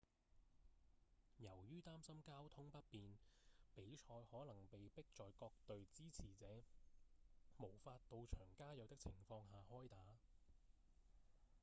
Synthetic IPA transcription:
jɐ˨˩wjyː˥t̪aː˥msɐ˥mkaː˥wt̪ʰʊ˥ŋpɐ˥t̚piː˨npe˨˥jt͡ʃʰɔː˧jhɔː˨˥nlɐ˨˩ŋpe˨jpɪ˥k̚t͡ʃɔː˨˧jkɔː˧k̚t̪ɵ˨ɥt͡siː˥t͡sʰiː˨˩t͡sɛː˨˥ | mo˨˩wfaː˧t̚t̪o˧wt͡ʃʰœː˨˩ŋkaː˥jɐ˨˧wt̪ɪ˥k̚t͡sʰɪ˨˩ŋfɔː˧ŋɦaː˨˩hɔː˥jt̪aː˨˥

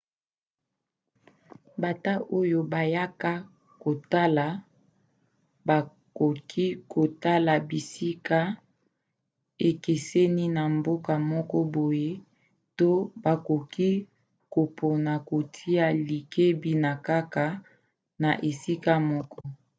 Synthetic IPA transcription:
ba˨ta˦ʔo˦jo˦ba˨ja˦ka˦ | ko˨ta˦la˨ | ba˨ | ko˨kʰi˦kʰo˨ta˦la˨bi˨si˦ka˦ | e˨ke˨sɛ˦ni˦na˨mbo˦ka˨mɔ˦kɔ˦bo˨je˦ | to˦ba˨ko˨ki˦ | ko˨pʰo˨na˨ko˨tʰi˦a˦li˨ke˦bi˦na˨ka˦ka˨ | na˨ʔe˨si˦ka˦mɔ˦kɔ˦

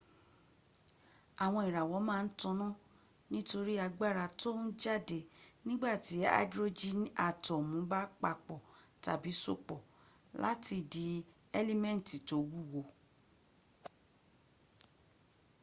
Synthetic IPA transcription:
a˨w̃ɔ̃˧i˨ɾa˨wɔ˨˦mãː˦˧n̩˦tɔ̃˧nɔ̃˦ | nĩ˦to˧ɾi˦a˧ɡ͡ba˦˨ɾa˧to˦n̩˦d͡ʒa˦˨de˨nĩ˦ɡ͡ba˦˨ti˨˦a̰˦dɾo˦d͡ʒi˦na˨tɔ˨mũ˨˦ba˦k͡pa˧k͡pɔ˨ta̰˨bi˨˦so̰˦˨k͡pɔ˨ | la̰˦tʰi˧di˨˧˦ | ɛ˦li˦mɛ̃˦˨n˨ti˨to˨˦wu˦˨wo˧

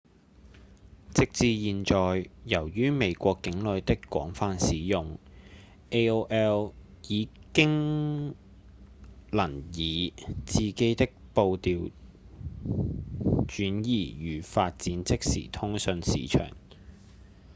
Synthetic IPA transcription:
t͡sɪ˥k̚t͡siː˧jiː˨nt͡ʃɔː˨jːɐ˨˩wjyː˥me˨˧jkʷɔː˧kːɪ˨˥ŋlɵ˨˧ɥt̪ɪ˥kːʷɔ̰ː˨˥ŋfaː˧nsiː˨˥jʊ˨ŋ | ʔe˥o˥ʔɛː˥w | jiː˨˧kɪ˥ŋ | lɐ˨˩njiː˨˧t͡siː˨˧ke˥jt̪ɪ˥k̚po˧wt̪iː˨˧w | t͡ʃyː˨˥njiː˨˩jyː˨˧faː˧t̚t͡siː˨˥nt͡sɪ˥k̚sḭː˨˩t̪ʰʊ˥ŋsɵ˨˧nsḭː˨t͡ʃʰœ̰ː˨˩ŋ

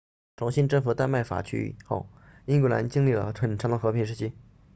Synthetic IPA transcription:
ʈ͡ʂʰʊ˧˥ŋɕi˥˧nʈ͡ʂɤ˥˩ŋfu˨˩t̪a˥˧nma˥˩ɪfa̰˨˩t͡ɕʰy̰˥ḭ˨˩xo̰˥˩ʊ | i˥ŋkwla̰˧˥nt͡ɕi˥˧ŋli˥˩lə̰˩ʈ͡ʂʰwə˨˩nʈ͡ʂʰɑ˧˥d̪ə˧˩xɤ˧˥pʰi˧˥ŋʂ̬ɻ̩˥˩t͡ɕʰi˥˩

